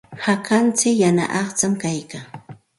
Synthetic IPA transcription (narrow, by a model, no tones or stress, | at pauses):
hakant͡sɪkjana̰ʔɑχt͡samkajkaː